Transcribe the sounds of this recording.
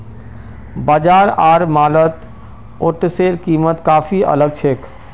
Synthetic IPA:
bad͡ʒaːɾaːɾmaːlət̪ | oʈseɾkiːmət̪kaːpʰiə̰ləɡ̚t͡ʃʰekʰ

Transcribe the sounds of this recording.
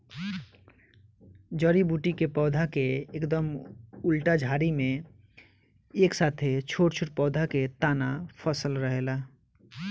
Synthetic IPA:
d͡ʒɔɾibuːʈikepɔːd̪ʱakeeːkd̪əmʊlʈad͡ʒʱaːɾimẽ | eːksaːt̪ʰet͡ʃʰoːʈt͡ʃʰoʈ̚pɔːd̪ʱaket̪aːnapʰəsəlɾəɦela

